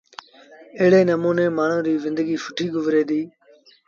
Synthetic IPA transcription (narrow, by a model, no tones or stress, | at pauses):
ɪːɽeːnəmũːnẽːmaːɳ̤ũːɾiːzɪ̃nd̪əɡiːfʊʈʰiːɡʊʋɾeːd̪iː